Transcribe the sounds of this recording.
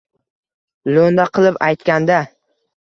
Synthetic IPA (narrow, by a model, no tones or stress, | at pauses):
lond̪aqʰɨlˠɪpajt̪kʲand̪a